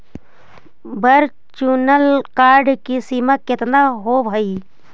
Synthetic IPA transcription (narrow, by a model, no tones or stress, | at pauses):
bəɾ | t͡ʃuːnəlkaːɾɖkisiːmakɪt̪naɦobʱəiː